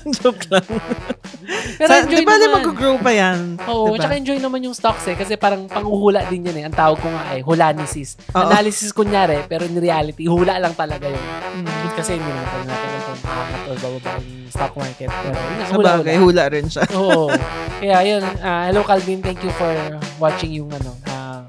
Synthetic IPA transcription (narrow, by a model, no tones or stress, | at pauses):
d͡ʒoklaŋ | pɛːɾoɛnd͡ʒod̪ɪjbanɐmmɐɡʊɡɹowpɐjanʔoːʔot͡ʃɐaɐʔɛnd͡ʒo̞jnɐmanjʊŋst̪oksɛkɐs̬ɛpaːɾɐŋpɐŋuhuːlɐʔd̪ɪnjɐnɛʔɐŋt̪aːwɐɡ̚kʊŋaʔɛɦʊlaːnisɪs | ʔɐʔ̪aːlɪsɪskʊŋjaːɾɛpɛːɾoʔɪŋɾɪaːlɪt̪ihuːlɐʔlɐŋt̪ɐlɐɡajʊŋkɐsɛɪnd̪inat̪ɐjna̰ːt̪ɪnjʊnt̪omɐʔa̰ːŋɐt̪ʔobabɐba̰ʔɪnʊŋst̪ok̚maɹkɛt̪̚pɛːɾo̰jʊnŋaʔɐuːlaʔːlɡajhuːlɐʔɾɪnʃaʔoːʔokɐjaʔjo̞nahɛlowkɐlvimt̪ɛŋkjufoɹwat͡ʃɪŋjʊŋʔɐno̞ʔa